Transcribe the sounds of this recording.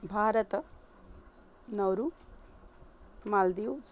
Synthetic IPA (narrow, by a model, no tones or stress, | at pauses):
bʱaːɾət̪ | nʌwɾu | mald̪iw